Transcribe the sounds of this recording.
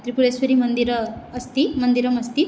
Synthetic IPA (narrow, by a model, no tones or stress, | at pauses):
t̪ɾipuɾesʋəɾimənd̪iɾːst̪imənd̪iɾəmɐst̪i